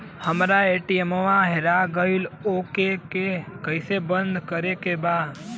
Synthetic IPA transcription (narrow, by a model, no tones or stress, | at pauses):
həmɾaeːʈiemoʋãɦeɾaɡəɪloːkekekəɪsebənd̪ʱkəɾekebaːd̪